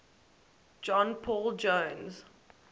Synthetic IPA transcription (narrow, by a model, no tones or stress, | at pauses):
d͡ʒɔ̃npʰɔːld͡ʒõnz̥